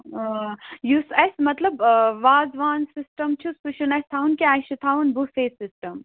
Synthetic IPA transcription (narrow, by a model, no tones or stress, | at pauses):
jusesmɐt̪lɐbʋaːzʋaːnsisʈɐmt͡ʃʰuspuʃunɐst̪ʰaːunkiaːʃit̪ʰaːunbufeːsisʈɐm